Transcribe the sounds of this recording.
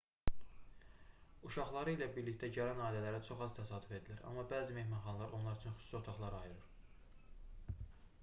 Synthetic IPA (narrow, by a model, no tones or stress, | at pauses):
uʃɑχlˠɑɾɯilæbiɾlict̪æɟæɾænɑːilælæɾæt͡ʃʰo̞χɑz̥t̪ʰæsɑːd̪ufe̞d̪ilæɾɑ̰mːɑbæːzime̞hmɑnχɑnlˠɑɾʔo̞nlˠɑɾyt͡ʃʰynxy̥su̥sot̪ʰɑχlˠɑɾɑjɯɾɯɾ